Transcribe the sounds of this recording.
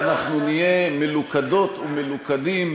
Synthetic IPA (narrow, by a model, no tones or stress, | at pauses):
naχnunijemelukad̪o̞t̪umelukad̪im